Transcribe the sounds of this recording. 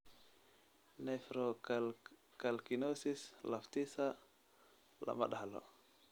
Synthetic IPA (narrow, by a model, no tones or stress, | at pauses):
nɛfɾo | kalkinosislaft̪isa | la̰ma̰ɗahalo̰